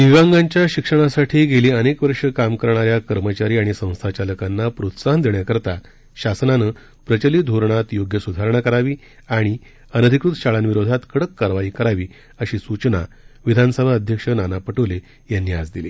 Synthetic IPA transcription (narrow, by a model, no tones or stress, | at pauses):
niʋãŋɡaɲt͡ɕjaɕikʂəɽ̃asaʈʰiːɡeliːənekʋəɾʂəkamkəɾɳaɾjakəɾmət͡ɕaɾiːaɽ̃isə̃w̃st̪ʰat͡ɕaləkanːapɾot̪saɦənd̪eɳjakəɾt̪a | ɕasnanə | pɾət͡ɕəliːd̪ʱoɾɳ̃at̪joɡjəsud̪ʱaɾɳ̃akəɾaʋiː | aɽ̃i | ənəd̪ʱikɾut̪ɕaɭanʋiɾod̪ʱat̪kʰəɽəkːaɾʋaiːkəɾaʋiː | əɕiːsut͡ɕna̰ | ʋid̪ʱanəsəbʱaəd̪ʱjəkʂənanapəʈʰəʋle | janːiad͡zd̪ile